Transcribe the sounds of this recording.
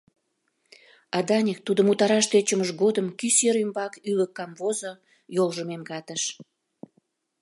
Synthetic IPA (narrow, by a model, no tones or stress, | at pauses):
ɑd̪ɑnʲekt̪ud̪ə̆mut̪ɑɾɑʃt̪et͡ɕəməʃɣod̪əmkyseɾymbɑkyləkːɑmvozo | jolʒəmemkɑt̪əʃ